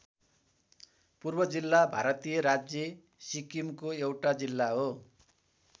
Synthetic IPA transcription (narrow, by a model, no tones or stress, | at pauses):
purbʌd͡zilːabʱaɾʌt̪ijʌɾad͡zje | sikimkoewʈad͡zilːaɦo